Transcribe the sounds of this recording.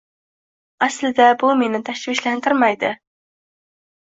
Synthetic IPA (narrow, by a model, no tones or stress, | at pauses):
æslɪd̪ɛbumenɪt̪ʰæʃviʃlænt̪ɨɾmɑjd̪ɪ